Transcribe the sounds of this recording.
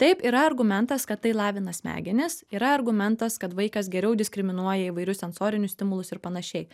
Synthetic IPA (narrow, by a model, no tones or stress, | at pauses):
t̪ɐɪpiːɾɐɐɾɡʊmʲɛnt̪ɐskɐt̪̚tːɐɪlˠɑːʋʲɪnɐsʲmʲæ̰ːɡʲɪnʲɪsiːɾɐɐɾɡʊmʲɛnt̪ɐskɐt̪ʋɐɪkɐsɡʲɛɾʲɛʊd̪ʲɪsʲkɾʲɪmʲɪnuɔjɛiʋɐɪɾʲʊssʲɛnsoːɾʲɪnʲʊssʲt̪ʲɪmʊlˠʊsɪɾpɐnɐʃʲɛɪ